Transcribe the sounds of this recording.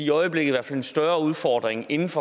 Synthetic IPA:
iɒ̽ɪəb̥leɡð̩ˠʋæɐfælensd̥ɶɐuð̞ˠfɒːd̥ʁeŋe̝nn̩fɒ̽

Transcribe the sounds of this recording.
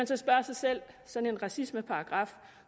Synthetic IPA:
ænsɒ̽sb̥ɶɐsɑ̈ɪsel̰ | sɒ̽n̩e̝nʁɑ̈sisməpʰɑ̈ɑ̈ɡ̥ʁɑ̈f

